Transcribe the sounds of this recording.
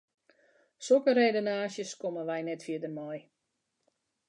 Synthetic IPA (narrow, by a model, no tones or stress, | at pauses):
sokəreːdonaːsjəskomənʋɛjnɛtfjɪədərmɔj